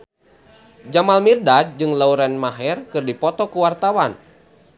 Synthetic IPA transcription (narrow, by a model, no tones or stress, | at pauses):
d͡ʒamalmirdad̚d͡ʒɨŋlauɾɛnmaɦɛrkɨrdipɔt̪ɔkuwart̪awan